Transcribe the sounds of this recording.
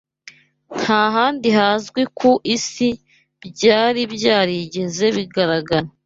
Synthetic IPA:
n̥haːɦaːndihaːzɡwikuʔisi | bɟaːɾibɟaːɾiɟe̞ze̞βiɡaɾaɡaɾa

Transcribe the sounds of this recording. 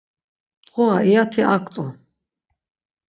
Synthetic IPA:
t̪ʼqʼɔaijat̪ʰiakʼt̪ʼɔ

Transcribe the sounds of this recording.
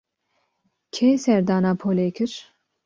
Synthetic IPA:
kʲʰejsɛɾd̪ɑːnɑːpʰoːlekʰɨɾ

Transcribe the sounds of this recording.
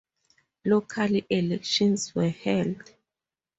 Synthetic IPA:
lokʰaliʔɛlɛkʃɔ̃nswɛhɛld

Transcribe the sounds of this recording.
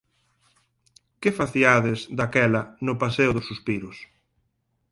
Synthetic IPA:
kɪfaθiaðɪzd̪akɛlɐnʊpaseʊðʊsuspiɾʊs

